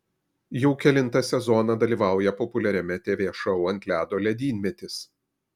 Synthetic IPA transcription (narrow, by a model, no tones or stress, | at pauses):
jɛʊkʲɛlʲɪnt̪ɐsʲɛzɔnɐd̪ɐlʲiːʋɑˑʊjɛpɔpʊlʲɛɾʲɛmʲɛt̪ʲeːʋʲeːʃɐʊɐnʲt̪ʲlʲæːd̪oːlʲɛd̪ʲiːnʲmʲɛt̪ʲɪs